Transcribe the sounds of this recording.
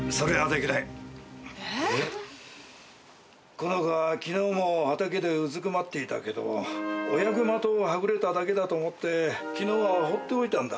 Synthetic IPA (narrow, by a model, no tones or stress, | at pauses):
so̞ɾe̞ad̪e̞kʲinai | e | konoɡakʲino̞ːmo̞at̪ake̞d̪e̞ɯzɨkɯmat̪ːe̞it̪a̰ke̞d̪o̞̰ojaɡɯ̟mat̪o̞ːɦaɡɯ̟ɾe̞t̪ad̪ake̞d̪at̪o̞ːmo̞t̪ːe̞kʲino̞ːβaɦot̪ːe̞oit̪ãnd̪a